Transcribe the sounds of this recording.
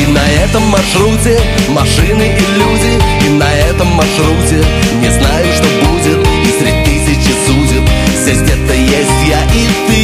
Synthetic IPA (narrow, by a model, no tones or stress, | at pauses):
inɐɛt̪əmːɐʂɾutʲɪ | mɐʂɨnɨʔilʲudʲɪ | inɐɛt̪əmːɐrʂɾutʲɪ | nʲɪznajʊʂt̪obudʲɪt̪isʲɾʲɪd̚ʲt̪ɨsʲɪt͡ɕɪsudʲɪt̪vzʲesʲtʲɛt̪əjesʲtʲjaʔit̪ɨ